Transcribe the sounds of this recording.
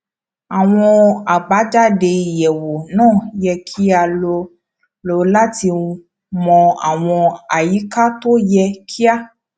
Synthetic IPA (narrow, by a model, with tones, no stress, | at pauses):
a˨w̃ɔ̃˧a˨ɡ͡ba˨˦d͡ʒa˦de˧i˨jɛ˨wo˨nãː˦˨jɛ˧kʰi˦a˧lo˧ | lo˧la˦ti˧ | mɔ̃˧a̰˨w̃ɔ̃˧a˨ji˨˦ka˦to˦jɛ˧kʰi˦a˦